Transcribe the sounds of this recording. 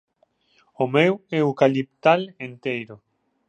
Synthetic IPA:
omeweukalip̚t̪alent̪ejɾo

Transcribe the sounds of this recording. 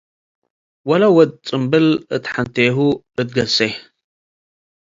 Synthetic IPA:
wɐlɐwɔd̪̚ʼt͡sʼɨmbɨlɨt̪ħant̪ʰeɦu | ɨt̪̚ɡɐsej

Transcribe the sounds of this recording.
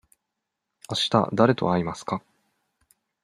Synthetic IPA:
aɕi̥t̪a̰d̪aɾe̞t̪o̞aimasɨ̥ka

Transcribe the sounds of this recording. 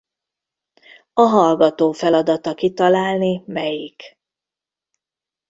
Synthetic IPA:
ɒɦɒlɡɒt̪oːfɛlɒd̪ɒt̪ɒkit̪ɒlaːlnimɛjik

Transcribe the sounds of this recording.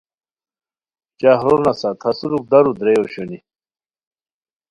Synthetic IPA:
t͡ɕaɦɾonasat̪ʰɐsuɾuk̚d̪ɐɾud̪ɾejoɕoni

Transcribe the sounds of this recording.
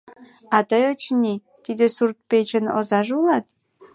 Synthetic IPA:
ɑt̪əjot͡ɕnʲi | t̪id̪esurt̪̚pet͡ɕənozɑʒulɑt̪̚

